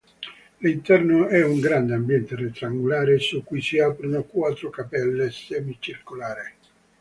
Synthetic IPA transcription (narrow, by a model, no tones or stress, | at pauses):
lint̪ɛrnʊɛuŋɡɾand̪eambjɛnt̪eret̪ːɾaŋɡulaːɾesukːujsiaːpɾonokwaːt̪ːɾʊkapɛlːesɛːmit͡ʃirkolaːɾɪ